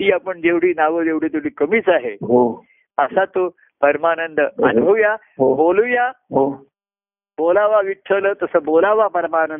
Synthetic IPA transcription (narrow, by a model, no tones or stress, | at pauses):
t̪iːapəɳd͡ʑeʋɽ̤iːnaʋəd͡ʑeʋɽ̤iːt̪eʋliːkəmiːt͡saɦeɦo | əsat̪o | pəɾmanənd̪əa̰bʱəja | ɦobolujaɦo | bolaʋaʋiʈʰːələt̪əsəːbolaʋapəɾmanənd̪